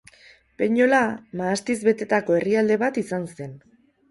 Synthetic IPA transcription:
pe̞ɲo̞lamaːst̪izβe̞t̪e̞t̪ako̞e̞riald̪e̞βat̪isanse̞n

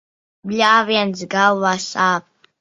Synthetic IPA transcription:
blʲaːviɛnsɡalˠvaːsaːp̚

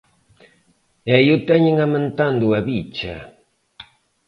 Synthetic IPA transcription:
ejut̪aɲiŋamənt̪and̪uaβit͡ʃa̰

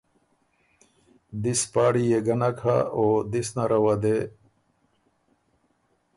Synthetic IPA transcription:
d̪ispaːɽijeɡɐnakʰa̰oːd̪isnaɾɐwad̪e

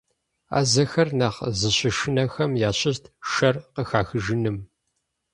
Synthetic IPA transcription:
a̰ːzɐxɐrnaːχzɨɕɪʃɪnɐxɐmjaːɕɪɕtʰʃɐrqəxaːxɨʒɨnɨm

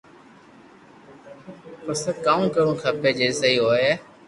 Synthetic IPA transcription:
pəsəkaːũːkəɽũːkʰəpeːd͡ʒeːsəiːɦoːeː

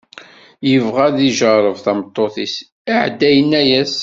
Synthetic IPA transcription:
jəvʁæðiʒəɾˤəvθæmət̪ˤːoθis | aʕd̪ːæjənːæjæs

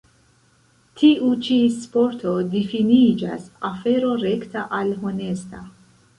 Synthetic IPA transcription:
tʰiʔut͡ʃispo̞ɾtʰo̞difinid͡ʒa̰safe̞ɾo̞ɾe̞ktaʔalɦone̞sta̰

